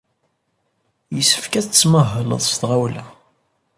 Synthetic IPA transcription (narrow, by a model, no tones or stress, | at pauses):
jəsːə̥fkæθt͡sːməɦːələ̰ðˤst̪ʁawlæ